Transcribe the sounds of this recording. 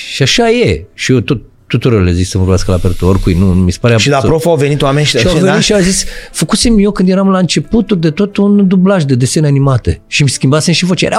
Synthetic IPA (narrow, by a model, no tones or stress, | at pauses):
ʃiaʃaje̞ʃijot̪ot̪̚ːut̪uɾoɾleziksəvorbeaskəlapeɾt̪uorkujnumisepaɾeaʃid̪apɾofoawvenit̪wamenʲʃiʃiawvenit̪ʃiawzisfəkusemjo̞kɨnd̪jeɾamlaɨnt͡ʃe̞put̪uld̪e̞t̪o̞t̪und̪ublaʒd̪e̞d̪eseneanimat̪ḛʃimskʲimbasenʃivot͡ʃḛɾʔa̰